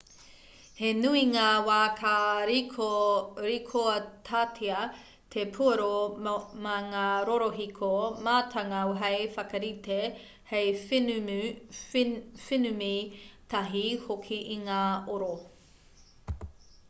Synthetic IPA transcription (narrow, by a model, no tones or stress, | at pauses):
henuiŋaːwaːkʰaɾioɾikʰoɐtʰaːtʰiɐ | tʰepʰuɐɾomɐŋaːɾoɾoɦikʰomaːtʰɐŋɐwɦɐjfɐkɐɾite | hej | finumit̪ʰɐɦihokʰiʔiŋaːoɾo